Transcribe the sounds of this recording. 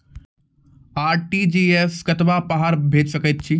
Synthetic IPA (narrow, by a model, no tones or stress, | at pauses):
aːɾʈiːd͡ʑiːeːskɐt̪ʋapaɦaːɾbʱeːd͡ʑsɐkət̪̚t͡ɕʰiː